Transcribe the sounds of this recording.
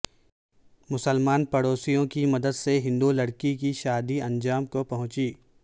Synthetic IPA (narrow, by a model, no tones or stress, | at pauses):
mʊsəlmaːnpɐɽoːsijõkimɐd̪əd̪seɦɪ̃nd̪ulɐɽkik̬iʃaːd̪iɐ̃nd͡ʒaːmkopɐɦʊ̃t͡ʃiː